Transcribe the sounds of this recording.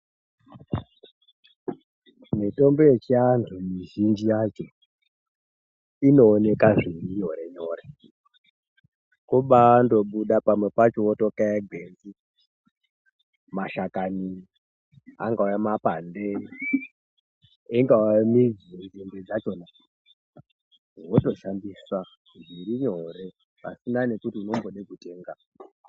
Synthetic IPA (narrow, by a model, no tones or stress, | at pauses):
mito̞mbojet͡ʃiantʰumiʒind͡ʒijat͡ʃo̞ | ino̞ːne̞kaʐinijoɾeɲoːɾe | kuɓando̞ɓuɗapamwe̞pat͡ʃootokajaɡʱend͡zi | maʃakani | a̰ŋɡaujamapande | eŋɡauamid͡zd͡zimbed͡zat͡ʃo̞na | woto̞ʃandiswa | ʐiɾiɲo̞ɾe̞ | pa̰sinane̞kutiunomboɗekute̞ːŋɡa